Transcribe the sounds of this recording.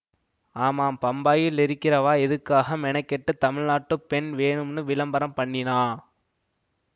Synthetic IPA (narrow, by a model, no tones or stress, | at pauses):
aːmaːmpɐmbaːjɪlːɪɾɯkːɪɾɐʋaːɛðɯkːaːɣɐmɛnɐɪkːɛʈːɯt̪ːɐmɪɻnaːʈːɯpɛnʋeːɳɯmnɯʋɪlɐmbɐɾɐmpɐɳːɪnaː